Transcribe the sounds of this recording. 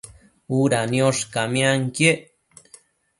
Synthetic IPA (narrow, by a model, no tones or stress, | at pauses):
uɾanjoʂkamĩaŋkje